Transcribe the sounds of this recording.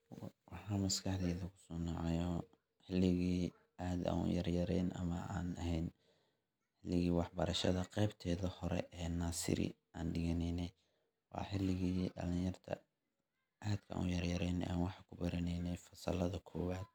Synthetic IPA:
wɑħɑmɐskʰɑħðɛːðɐkʰʊ̥sɔːnɑʕɑjɔ | ħɪlɪɣiː | ʔaːd̪a̰ːnʊ̰jɐrjɐɾɛjnʔɐ̰mɐaːnɐɦɛjn | ħɪlːɪɣiːwɑħbɐɾɐʃɐðɐqɛjbt̪ʰɛːðɐhɔɾɛ̰ʔɛːnaːsɪ̰ɾɪ̰ | ʔaːnɖɪɣɐnɛjnɛj | wɑ̰ːħɪlːɪɣiːɖɐ̰lɪjɐrt̪ʰɐ̰ | ʔaːd̪̥kʰɐʔa̰ːnʊjɐɾjɐɾɛːnʔa̰ːnwɑħɑkʰʊbɐɾɐnɛjnɛjfɐsɐ̰lɐðɐkʰɔːwaːd̪̚

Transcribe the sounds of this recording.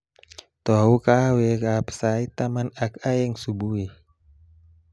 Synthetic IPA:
t̪ɔukawɛkapsait̪amanakajɛŋsubui

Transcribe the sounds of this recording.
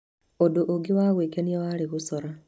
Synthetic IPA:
odoʔoɡiwaɣweːkeniewaɾiɣusɔɾa

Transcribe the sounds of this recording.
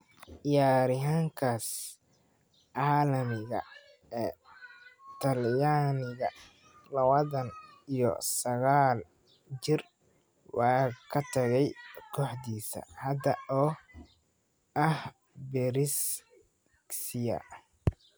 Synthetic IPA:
ʔɪjaːɾɪɦaːŋkʰaːs | aːlɐmɪɣɐ̰ | ɛː | t̪ʰɐljaːnɪɣɐ | lɐwɐðɐnijɔ̰sɐɣaːl | t͡ʃɪr | wɑːkʰɐt̪ʰɐɣɛjkʰɔːħd̪iːsɐ̰hɐd̪ɐɔː | ʔɐh | bɛɾɪs | sɪjɐ̰

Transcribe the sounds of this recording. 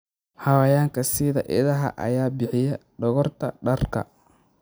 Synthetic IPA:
hɐwɐjaːŋkʰɐsɪðɐ̰ʔɪ̰ðɐɦɐ̰ʔɐ̰jaːbɪħɪjɛɖɔɣɔrt̪ʰɐ̰ɖɐrkʰɐ̰

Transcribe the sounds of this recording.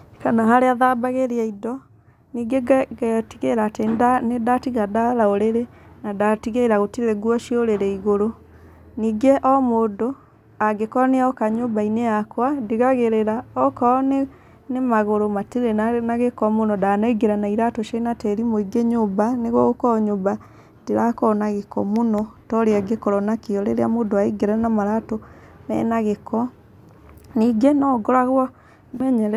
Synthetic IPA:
kanaɦaɾeaðabaɣeɾeaidɔ | niːɡeɣɛtiɣeɾatendanedatiɣadaɾaoɾeɾenadatiɣeɾaɣotiðɛɡwɔʃioɾeɾɛiɣoɾo | niːɡeʔɔmoːndo | aɡekɔneaɔkaɲoːmbaineakwadeɣaɣeɾeɾaɔkɔne | nemaɣoɾomatiɾenanaɣekɔmonɔdanaiɡeɾɛnaiɾatoʃenatɛɾimoiɡeɲobaneɣwɔɣokɔɲoba | diɾakɔnaɣekɔ̰monɔtɔɾeaɡekɔɾɔnakeɔɾḛɾeamodoaiɡeɾɛnamaɾato | mɛ̰naɣekɔ | niɡenɔɡɔɾaɣwɔ | ɛɲɛɾ

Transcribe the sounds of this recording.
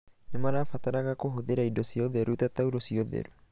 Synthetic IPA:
nemaɾafataɾaɣakoɦoðeɾaidɔsiɔðɛɾutatauɾɔsiɔðɛ̰ɾu

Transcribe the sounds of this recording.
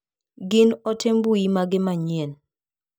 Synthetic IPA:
ɡɪnɔtembuimaɡɪmaɲen

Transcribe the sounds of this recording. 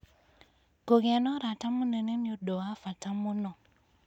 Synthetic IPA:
koɡeanɔɾatamunenemjodɔwafatamunɔ

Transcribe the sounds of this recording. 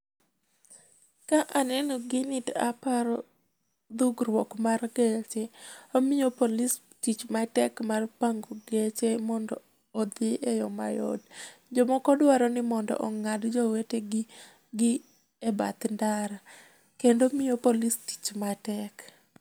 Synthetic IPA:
kaʔanɛnɔɡɪnɪta̰paɾɔ | d̪uɡrwɔkmarɡet͡ʃeomɪjopolis | tit͡ʃmatɛkmarpaŋɡoɡet͡ʃemɔndɔː | d̪ɪʔejɔma̰jɔ̰dd͡ʒɔmɔkɔdwaɾɔnɪmɔndɔ̰ʔɔŋadd͡ʒɔweteɡɪ | ɡɪ | ɛba̰t̪ndaɾa | kendomijopolisti̥t͡ʃmatɛk

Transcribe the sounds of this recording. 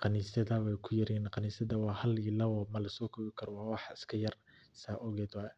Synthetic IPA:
qɑniːsɐðɐwɛjkʰʊjɐɾiːnqɑniːsɐðɐwɑːhɐlilɐɔːmɐlɐsɔːkʰɔβɪkʰɐɾɔwɑːwɑħɪskʰɐjɐr | saːʔɔɣɛːd̪wɑː

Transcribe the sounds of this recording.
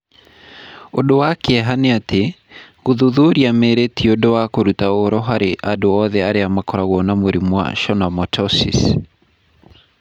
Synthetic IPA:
odowakeɛɦaneate | ɣoðuðuɾiameɾetiodowakoɾutaoɾɔɦaɾeʔadoɔðɛaɾeamakɔɾaɣɔnamweɾimwa̰ʃɔnamɔtʰɔsḭs

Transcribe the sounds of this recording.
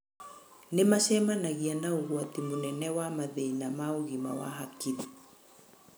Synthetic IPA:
nemaʃɛmanaɣianauɣwatimunɛnɛwamaðɛinamauɣima̰wa̰ɦakiði

